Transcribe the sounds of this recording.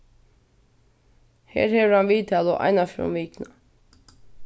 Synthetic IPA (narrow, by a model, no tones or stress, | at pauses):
hɛ̰ːɾhɛvəɾhanʋiːt̪ʰaːlʊʔa̰jnafɾʊ̰mʋiːkna